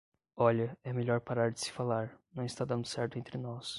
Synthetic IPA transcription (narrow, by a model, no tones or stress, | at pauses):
ɔʎɐɛmeʎɔɾpaɾaɾd͡ʒɪ̥sɪ̥falaɾnɐ̃w̃ɪst̪ad̪ɐ̃nd̪ʊsɛɾt̪ʊẽnt̪ɾɪnɔs